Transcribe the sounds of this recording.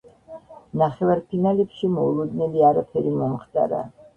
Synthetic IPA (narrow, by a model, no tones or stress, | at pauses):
naχɛvaɾpʰinalɛpʃimɔulˠud̪nɛliaɾapʰɛɾimɔmχt̪ʼa̰ɾa̰